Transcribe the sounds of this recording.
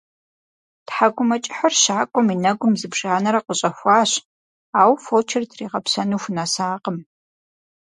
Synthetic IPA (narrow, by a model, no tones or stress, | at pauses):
tħaɡʷʊmɐt͡ʃʼɪħərʃaːkʷʼɔminɐɡʷʊmzɨbʒ̥aːnɐɾɐqəɕʼɐxʷɑːɕ | aːwfot͡ʃʰɪrtʰriːʁɐpsɐnuːxʷnɐsaːqəm